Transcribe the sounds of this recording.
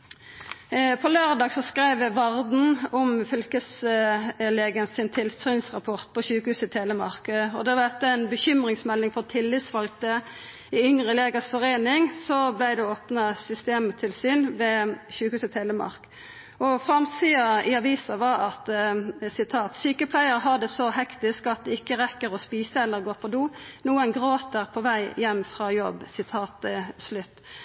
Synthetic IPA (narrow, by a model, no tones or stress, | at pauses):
pʰɔløːʁd̪ɑːɡsɔskʁæɪʋʋɑʁd̪n̩ɔmfʏlkəs | leːɡənsɪnt̪ʰɪlsyːnsʁɑpʰɔʁt̪̚pʰɔçʉːkəhʉːsɪt̪ʰeːləmɑʁkɔd̪ɛd̪ɛt̪ːəæɪnbəçʏmʁɪŋsmɛlːɪŋfɔʁt̪ʰɪlːɪt̪sfɑlk̚t̪ə | ɪʏŋʁəleːɡəsfɔʁeːnɪŋsɔblæɪd̪ɛoːpnɑsʏst̪eːmt̪ʰɪlsyːnʋɛːçʉːkhʉːsət̪ʰeːləmɑ̰ʁk | ɔfʁɑmsiːɑɪɑʋiːsɑʋɑɾɑt̪sɪt̪ʰɑːt̪syːkəpʰlæɪəɾəɦɑd̪əsɔhɛkt̪ɪskɑt̪̚d̪ɛɪkːəʁɛkːəɾɔspiːsəɛlːəʁɡoːpʰɔd̪uːnuːənɡʁoːt̪əʁpʰɔʋæɪjɛmːfʁɑjɔ̰bsɪt̪ʰɑːt̪slʉt̪ː